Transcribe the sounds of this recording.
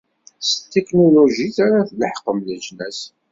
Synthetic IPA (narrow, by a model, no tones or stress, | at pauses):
st̪ːeknoloʒiθaɾaθləħqːəmləʒnæs